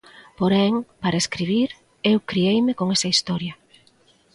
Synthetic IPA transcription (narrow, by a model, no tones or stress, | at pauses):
poɾɛŋpaɾɐeskɾiβ̞iɾ | ewkɾiejmɪkoŋesɐist̪ɔɾjɐ